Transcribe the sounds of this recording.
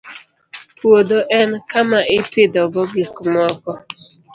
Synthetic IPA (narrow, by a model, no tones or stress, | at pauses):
pwod̪oʔɛnkamaʔɪpɪd̪ɔɡɔɡɪkmɔkɔ